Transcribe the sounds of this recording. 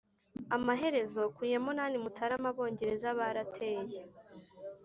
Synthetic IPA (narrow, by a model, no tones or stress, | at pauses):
amaɦe̞ɾe̞zo̞kuːje̞munaːnimutʰaɾamaβo̞ːɲɟe̞ɾe̞zaβaɾatʰe̞ːje